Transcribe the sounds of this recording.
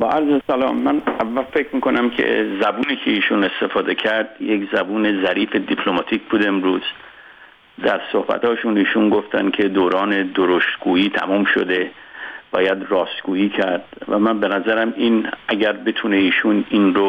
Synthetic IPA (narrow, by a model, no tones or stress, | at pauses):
bɒːʔæɾzesælɒ̰ːmːænævːælfe̞kʰɾmiːko̞næmcʰḛzæbuːniːkʰe̞iːʃuːne̞st̪e̞fɒːd̪e̞cʰæɾd̪jekzæbuːne̞zæɾiːfe̞d̪ipʰlomɒːt̪ʰiːcbuːd̪e̞mɾuːz̥ | d̪æɾso̞hbæ̰t̪ʰɒːʃuniːʃunɡoft̪æn̥kʰe̞d̪oːɾɒːne̞d̪oɾost̪ɡuːiːt̪ʰæ̰muːmʃo̰d̪e̞ | b̥ɒ̰ːjæd̪rɒːst̪ɡuːiːcʰæɾd̪̥væ̰mænbe̞næzæɾæminæɟæɾbe̞t̪ʰune̞iːʃuninɾo